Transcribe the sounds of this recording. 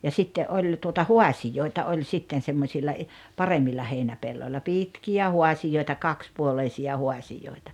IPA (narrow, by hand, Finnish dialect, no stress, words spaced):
jɑ sitːe ʔolʲ tuotɑ huɑsijoitɑ olʲ sitːen semːosilːɑ i pɑremːilːɑ heinæpelːolʲːɑ pitkiæ huɑsijoitɑ kɑkspuoleisiɑ huɑsijoˑitɑ